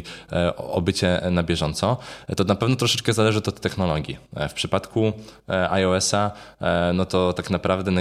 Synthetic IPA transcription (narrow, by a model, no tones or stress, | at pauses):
ɔbɘt͡ɕɛnabʲjɛʐɔnt̪sɔt̪ɔnapɛvnɔt̪ɾɔʂɛt͡ʂkɛzalɛʐɨɔt̪ɔt̪ːɛxnɔlɔɡʲjḭfpʂɘpat̪kʰuʔajɔɛsanɔt̪ɔt̪aknapɾavd̪ɛna